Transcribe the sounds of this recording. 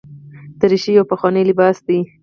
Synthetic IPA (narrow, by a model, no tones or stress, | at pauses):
d̪̥əɾiʃijawpaxwɑnelɪbɑsd̪i